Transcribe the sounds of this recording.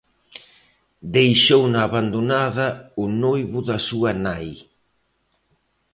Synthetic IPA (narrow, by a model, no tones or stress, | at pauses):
d̪ejʃownaːβand̪onaðɐʊnojβʊðɐsuɐnaj